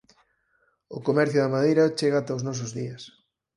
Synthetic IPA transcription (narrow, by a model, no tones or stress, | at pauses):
ʊkomɛɾθjʊðɐmaðejɾɐt͡ʃeɣat̪ɐaoznɔsʊzðiɐs